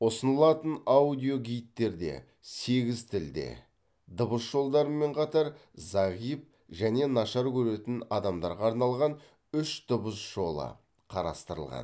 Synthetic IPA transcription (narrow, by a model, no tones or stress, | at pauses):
wosənəlˠɑt̪ənaud̪ijo̞ɡʲijt̪ːe̞ɾd̪e̞̰ | se̞ɡʲɪzt̪ʰɪld̪e̞̰ | d̪ʊbəsʒ̥o̞lˠd̪ɑɾəmːe̞ɴqʰɑt̪ɑɾzɑʁijp̚ | ʒæne̞nɑʃɑɾkʲʰɵɾe̞t̪ɪnɑd̪ɑmd̪ɑɾʁɑːɾnɑlˠʁɑn | ʏʃd̪̥əbəsʒ̥o̞lˠə̰ | qʰɑɾɑ̰st̪əɾəlˠʁɑ̰n